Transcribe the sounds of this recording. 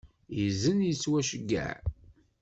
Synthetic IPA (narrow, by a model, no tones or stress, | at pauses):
jəzənjət͡sːwæʃəɡːæ̰